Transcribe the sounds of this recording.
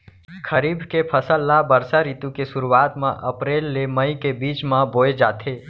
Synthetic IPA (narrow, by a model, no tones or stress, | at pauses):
kʰəɾiːbʱkepʰəsəlːabəɾsaɾiːt̪ukesʊɾuaːt̪mã̰ʔɐpɾeːlːeməikebiːt͡ʃmãboːed͡ʒaːt̪ʰeː